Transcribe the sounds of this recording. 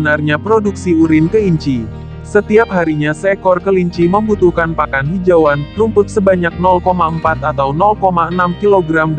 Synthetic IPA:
narɲapɾoduk̚siuɾɪnkəiɲt͡ʃi | sət̪iap̚haɾiɲasɛkɔrkəliɲt͡ʃiməmbut̪uhkanpakanhid͡ʒawanlumpʊt̪̚səbaɲak̚nɔlkomaəmpat̪at̪awnɔlkomaənamkiloɡɾamd

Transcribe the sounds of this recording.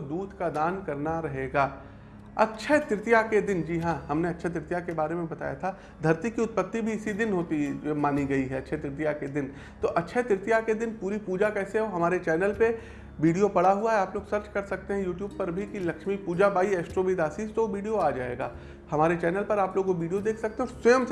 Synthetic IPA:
d̪uːd̪ʱkad̪aːnkɐɾnaɾɐɦeːɡaː | ɐtːʃʰet̪ɾɪt̪ijaked̪ɪnd͡ʒiːɦãɦɐmneɐtːʃʰet̪ɾɪt̪jakebaːɾemẽbɐt̪a̰ːja̰t̪ʰa | d̪ʱɐɾt̪ikiʊt̪̚pət̪ːibʱiɪsid̪ɪnɦoːt̪imaːniɡɐiɦɛɐtːʃʰet̪ɾɪt̪̬ijaked̪ɪn | t̪oːʔɐtːʃʰet̪ɾɪt̪ijaked̪ɪnpuːɾipuːd͡ʒakɛːseɦɛoɦɐmaːɾet͡ʃɛːnəlpe | ʋiːɖijopɐɽaɦuaɦɛaːploːɡsɐɾt͡ʃkɐɾsɐk̚t̪eɦɛ̃juːʈjuːb̚pɐɾbʱikilɐkʃmipuːd͡ʒabaːiɛːsʈɾobiːd̪aːsiːst̪ooʋiːɖijoaːd͡ʒaːḛːɡaː | hɐmaːɾet͡ʃɛːnəlpɐɾaːploːɡoʋiːɖijod̪eːkʰsɐk̚t̪eɦɛ̃ɔːɾswɐjəms

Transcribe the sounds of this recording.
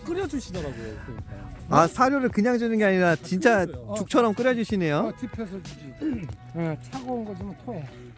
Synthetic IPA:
k͈ɯɾjʌd͡ʑuɕʰidʌɾaɡojokʰɯiaasʰaɾjoɾɯɭkɯɲaŋd͡ʑunɯnɡe̞aɲiɾat͡ɕint͡ɕ͈at͡ɕuk̚t͡ɕʰʌɾʌmk͈ɯɾjʌd͡ʑuɕʰine̞jotʰipʰesʰʌ | et͡ɕʰaɡonɡʌd͡ʑimantʰoe

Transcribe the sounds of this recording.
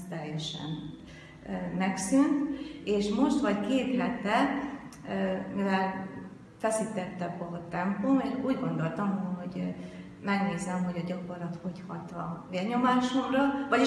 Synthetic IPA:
t̪ɛjːɛʃɛ̰n | mɛksynt̪eːʃmo̞ʃt̪ʋɒckeːt̪lɛt̪ɛ | mivɛl | fɛsit̪ɛt̪ːɛbɒt̪ɛmpomeʃuːɟɡo̞nd̪o̞lt̪ɒmɦo̞ɟ | mɛɡneːzɛmɦo̞ɟɒɟɒko̞rlɒt̪ho̞chɒt̪ɒ̰veːlɲo̞maːʃo̞mrɒvɒ

